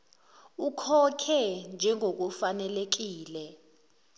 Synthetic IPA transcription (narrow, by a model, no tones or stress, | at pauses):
ukʰɔkʰɛnd͡ʒʱɛŋʱok̬ufanɛlek̬iːlɛ